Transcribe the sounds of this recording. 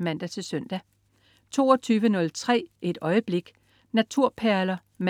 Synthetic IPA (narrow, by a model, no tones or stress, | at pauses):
mæn̰d̥æt͡sʰe̝lsøn̰d̥æ | t͡sʰo̝̰ːɒt͡sʰyːʋənɔ̽lt͡sʰʁɛ̰ːʔe̝d̥ɒ̽ɪəb̥le̝ɡ̥ | næt͡sʰuɐ̰pʰæɐlɐ | m